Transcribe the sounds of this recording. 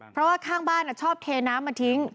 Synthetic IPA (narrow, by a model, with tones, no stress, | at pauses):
pʰɾɔ˦˥waː˥˩kʰaː˥˩ŋbaː˥˩nʔa˧˩t͡ɕʰɔː˥˩p̚t̪ʰeː˧naː˦˥mːa˧t̪ʰi˦˥ŋ